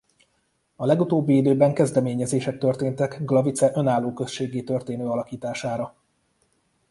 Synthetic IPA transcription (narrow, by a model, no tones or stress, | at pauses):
ɒlɛɡut̪oːbːiid̪øːbɛŋkɛzd̪ɛmeːɲɛzeːʃɛk̚t̪ø̞rt̪eːnt̪ɛkɡlɒvit̪sɛʔø̞naːlːoːkø̞sʃeːɡeːt̪ø̞rt̪eːnøːɒlɒkiːt̪aːʃaːɾɒ